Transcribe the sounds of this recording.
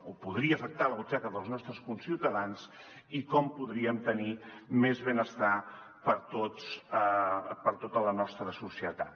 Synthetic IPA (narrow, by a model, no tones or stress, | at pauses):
upuðɾiəːfək̚t̪aləβut͡ʃakəðəlˠznɔst̪ɾəskunsiwt̪əðans | ikɔmpuðɾiəmt̪ənimezβenəst̪a | pəɾt̪ot͡s | pəɾt̪ot̪ələnɔst̪ɾəsusiət̪a̰t̪